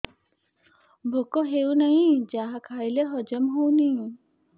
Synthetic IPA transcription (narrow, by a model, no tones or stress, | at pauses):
bʱokɔɦewnaɦĩd͡ʒaɦakʰajleɦɔd͡ʒɔmɦowni